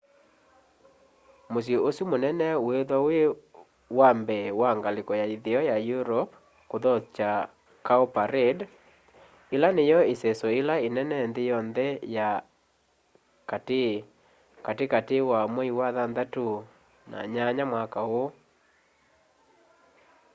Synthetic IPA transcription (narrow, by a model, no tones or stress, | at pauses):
mos̬joosumonɛnɛweðɔwe | wambɛwaŋɡalekɔjaiðeɔjajuɾɔp | koðɔt͡ʃa | kaopaɾed | elanejɔesɛsɔelaenɛnɛndejɔnðɛja | kate | katekatewamwɛiwaðanðato | na̰ɲaɲamwakao